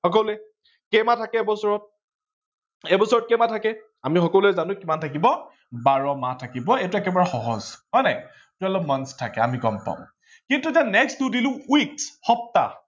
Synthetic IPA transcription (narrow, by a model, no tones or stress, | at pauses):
xɔkɔlʊɛ | kɛmatʰakɛɛbɔsɔɹɔt̚ | ɛbɔsɔɹɔt̚kɛmatʰakɛ | amixɔkɔluɛzanʊ̃kimantʰakibɔ | baɹɔmatʰakibɔetʊɛkɛbaɹaxɔɦɔzɦɔjnɛ | tʊalɔmanstʰakɛamiɡɔmpa̰ʊ̃m | kintutanɛkstudilʊ̃wiksxɔp̚ta̰